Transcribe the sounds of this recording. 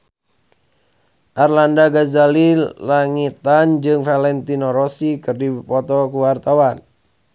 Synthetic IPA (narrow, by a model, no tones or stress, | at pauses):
ʔarlandaɡazalilaŋit̪and͡ʒɨŋfalɛnt̪inɔɾɔsikɨrdipɔt̪ɔkuwart̪awan